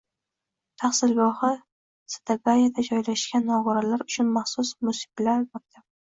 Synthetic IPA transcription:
t̪ʰɑχsɪlɡɒhɨ | sḁt̪ʰaɡajad̪ad͡ʒɒjlaʃɡʲanːɒʁʊɾalaɾʊt͡ʃʰʊnmɑχsʊsmʊsɪ̥blaɾbop̚d̪ʰɪ

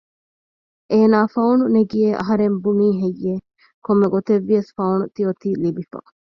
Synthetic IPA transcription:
ʔeːnaːfɐuɳuneɡieʔɐ̰ɦɐɾembuniːɦejːe | komːeɡot̪eʋːiɐsfɐuɳut̪iot̪iːlibifɐ̰

